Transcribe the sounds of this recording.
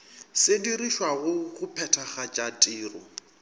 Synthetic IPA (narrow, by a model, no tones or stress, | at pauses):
sɪdiriʃwaɣʊɣʊpʰɛtʰaχat͡ʃʼatʼiːrɔ